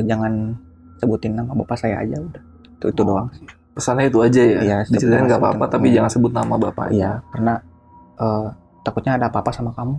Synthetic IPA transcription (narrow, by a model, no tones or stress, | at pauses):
d͡ʒaŋan | səbut̪ɪnːamabapasajaa̰d͡ʒaudah | t̪it̪udoaŋsi̥ | pəsanɲait̪uad͡ʒajaijasədit͡ʃəɾit̪aɪnɡapapat̪apid͡ʒaŋansəbʊt̪̚namabapa̰ijakarəna | ʔəː | t̪akut̪̚ɲaːdaːpaːpasamakamu